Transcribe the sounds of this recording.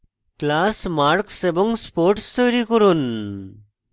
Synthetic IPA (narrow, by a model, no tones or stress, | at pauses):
klasmaɾksebɔŋspoɾʈst̪ɔjɾikɔɾun